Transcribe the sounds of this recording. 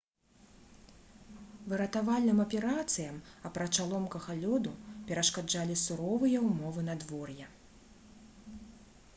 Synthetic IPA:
vɨɾɐt̪avalʲnɨmɐpʲɛɾat̪sɨjɐmɐpɾɐt͡ʂalˠɔmkɐɣalʲɔd̪upʲɛɾɐʂkad͡ʐalʲisuɾɔvɨjɛwmɔvɨnɐd̪vɔrjɛ

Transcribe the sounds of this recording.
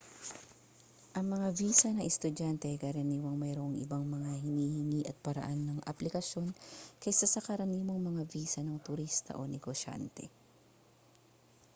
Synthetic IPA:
ʔɐŋmɐŋaviːsɐnɐŋɛst̪ʊd̪ant̪ɛʔɐjkɐɾɐniːwɐŋmɛɾoʔŋʔɪ̰baŋmɐŋahɪniːhɪŋiʔɐt̪̚pɐɾɐ̰ʔanːɐŋʔɐ̰plɪkɐʃo̞nkɐjsasɐkɐɾɐniːmo̞ŋmɐŋaviːsɐnɐŋt̪ʊɾist̪ɐ̰ʔo̞nɛɡoʃa̰nt̪ɛ̰

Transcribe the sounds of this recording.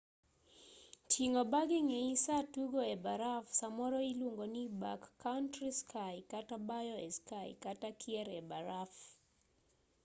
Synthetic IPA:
tʰiŋɔbaɡɪŋɛisatuɡɔɛbaɾafsamɔɾɔilwoŋɡoniba̰kːantɾiskʰajkatabajɔɛ̰skaj̰katakʰiɛɾɛbaɾaf

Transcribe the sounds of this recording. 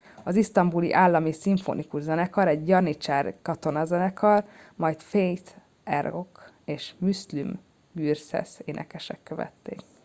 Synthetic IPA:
ɒzist̪ɒmbulḭʔaːlːɒmisiɱfo̰nikuʒzɛnɛkɒɾɛɟjɒrnit͡ʃaːrkɒt̪o̞nɒzɛnɛkʰɒrmɒjt̪fejt̪ | ɛ̰rok | eːʃmyslym | ɡyːrsɛ̰seːnʔɛ̰kɛʃɛkːøvɛ̰t̪ːḛːk

